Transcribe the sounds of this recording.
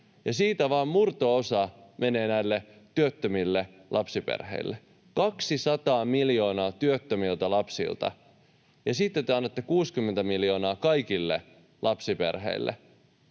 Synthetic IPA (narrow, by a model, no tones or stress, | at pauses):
jɑsiːt̪æʋɑːmmurt̪oosɑmʔene̞ːnæilːet̪yøt̪ːømilːelʔɑpsipḛrhḛilːe | kɑksisɑt̪ɑːmiljo̞ːnɑːt̪yøt̪ːømilt̪ɑlɑpsḭlt̪ɑ̰ | jɑsit̪ːet̪ːyeɑnːet̪ːekuːskymːent̪æmiljo̞ːnɑːkɑikilːe | lʔɑpsipḛrɦḛilːʔḛ